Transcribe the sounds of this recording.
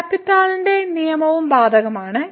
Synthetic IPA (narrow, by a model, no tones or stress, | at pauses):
ɐpːit̪ːaːlinde̞nijɐmɐʋumbaːd̪ʱɐɣɐmaːɳɨ